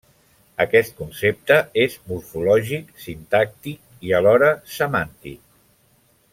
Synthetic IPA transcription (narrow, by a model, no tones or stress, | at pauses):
əkɛst̪̚kunsep̚t̪əezmuɾfulɔʒiksint̪ak̚t̪ik̚iəlɔɾəsəmant̪ḭk̚